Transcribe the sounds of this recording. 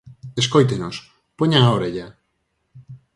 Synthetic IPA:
eskojt̪enos | poɲaoɾeʎa

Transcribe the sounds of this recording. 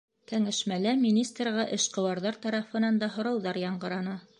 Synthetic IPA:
kæŋæʃmælæmʲinʲist̪rʁɑʔɘ̆ʃqɤ̆wɑɾðɑɾt̪ɑɾɑfɤ̆nɑnd̪ɑɦŏɾɑwðɑɾjɑɴɢɤ̆ɾɑnɑ

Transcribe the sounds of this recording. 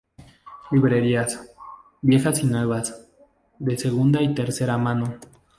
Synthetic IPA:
liβɾe̞ɾias | bje̞xasinweβas | d̪e̞seɣund̪ait̪e̞ɾseɾamãno

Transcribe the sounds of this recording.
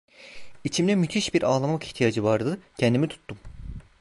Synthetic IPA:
it͡ʃʰimd̪ɛmyt̪ʰiʃbiɾaːlˠamaki̥ht̪ʰijad͡ʒɯvaɾd̪ɯcʰɛnd̪imit̪ʰu̥t̪ʰːum

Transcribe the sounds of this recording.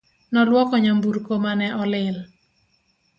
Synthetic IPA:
nɔlwɔkɔɲambuɾkomanɛʔɔlɪl

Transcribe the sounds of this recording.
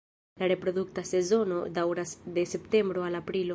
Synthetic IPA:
laɾe̞pɾo̞duktase̞zo̞no̞̰dawɾasde̞se̞pte̞mbɾo̞alapɾilo

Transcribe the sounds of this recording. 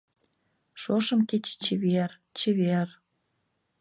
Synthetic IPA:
ʃoʃə̆mket͡ɕt͡ɕeβer | t͡ɕeβer

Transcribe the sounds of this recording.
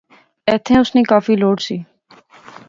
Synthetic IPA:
ɛːt̪ʰẽːʊsniːkaːfiːloːɽsiː

